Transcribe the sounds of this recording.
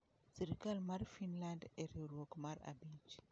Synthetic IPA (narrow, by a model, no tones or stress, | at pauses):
siɾikalmaɾifinlandɛɾioɾokmaɾa̰bid͡ʒi